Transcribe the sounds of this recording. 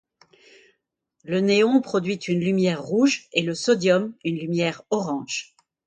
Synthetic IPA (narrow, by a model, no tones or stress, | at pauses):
ləneɔ̃pχɔd̪ɥit̪ʰynlymjɛʁːuʒeləsɔd̪jɔmynlymjɛːʁɔʁɑ̃ʒ